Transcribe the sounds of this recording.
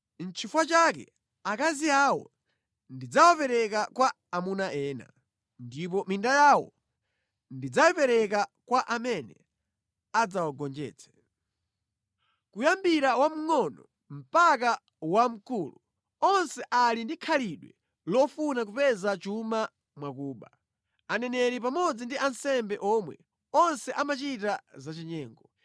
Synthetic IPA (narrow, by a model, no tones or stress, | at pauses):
n̩t͡ʃʰifwat͡ʃakɛ̰ | akaziaːwɔ̰ | ndid͡zawapɛɾɛkakwaːmunaʔɛːna̰ | ndip̬ɔmindajawɔ̰ | ndid͡zajɛpɛɾɛkakwaʔamɛnɛ̰ | ad͡zawaɡɔnd͡ʒɛ̰ːt͡sʰɛ̥ | kujambiɾawam̩ŋɔnɔ | m̩pak̬a | wam̩kuːlu | ɔnsɛʔalindikʰaliɗwɛ | lɔfunak̬upɛzat͡ʃuma | mwak̬uːɓa | anɛnɛɾip̬amɔd͡zindiansɛmbɛʔɔmwɛ̰ | ɔnsɛʔamat͡ʃitazat͡ʃiɲɛːŋɡɔ